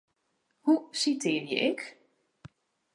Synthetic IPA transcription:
husitʰɪːrjə̰ʔɪk

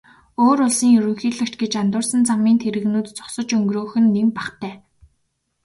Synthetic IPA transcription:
oːɾʊɮsiːŋjɵɾɵ̆ŋxiːɮɘ̆kt͡ɕɡet͡ɕant̪ʊːrsə̆nt͡samiːnt̪ʰeɾɘ̆ɣnuːt̪t͡sʊ̥χsə̆t͡ɕɵŋɡroːxɘ̆nːempaχt̪æː

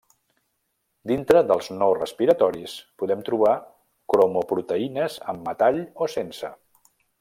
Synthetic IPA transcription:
d̪int̪ɾəðəlˠznorəspiɾət̪ɔɾispuðɛmt̪ɾuβa | kɾomopɾut̪əinəzəmːət̪aʎosensə̰

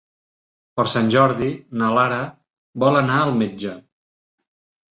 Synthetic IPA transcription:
pəɾsanʲʒɔɾðinəlaɾə | bɔlənaəlˠmed͡ʒə

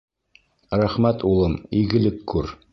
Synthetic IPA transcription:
ɾæχmæt̪ulˠɤmiɡɘ̆lɘkːʉɾ

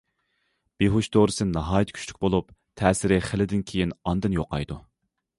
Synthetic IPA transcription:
b̥eɦuʃd̪oɾɨsɨnnɑɦɑːjt̪ʰkʲʰy̥t͡ʃʲly̥kʲbolˠupt̪ʰɛːsɪɾɪχəlɪd̪ɪnkʲʰejinɑnd̪ɨnjo̰qɑ̰jd̪u

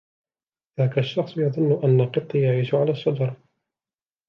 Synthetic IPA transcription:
ðaːkaʃːɑxsˤjɑðˤʊnːʊʔanːaqɨt̪ˤːijaʕiːʃʊʕalaːʃːɑd͡ʒɑɾˤ

